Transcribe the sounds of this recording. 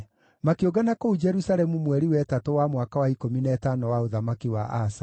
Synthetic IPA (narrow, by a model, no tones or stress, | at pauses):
makeoɡanakoud͡ʒɛɾusalɛmumwɛɾiwɛtatowamwakawaikominɛɛtanɔwaoðamakiwa̰ʔasa